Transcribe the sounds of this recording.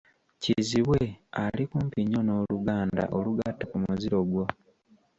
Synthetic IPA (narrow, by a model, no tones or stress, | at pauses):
ciziβwealikuːmpiɲo̞no̞ːluɡaːnda̰ʔoluɡatːakumuziɾo̞ɡwo